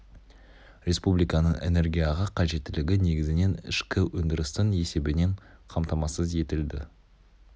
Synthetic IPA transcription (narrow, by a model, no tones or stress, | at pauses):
ɾʲe̞spublijkɑnəɴḛne̞ɾɡʲijaʁɑqʰɑʒe̞t̪ːɪlɪɡʲɪne̞ɡʲɪzɪne̞nɪ̰ʃkʲɪwɵnd̪ɪɾɪst̪əne̞se̞bɪne̞ɴqʰɑmt̪ɑmɑsəze̞t̪ɪld̪ɪ̰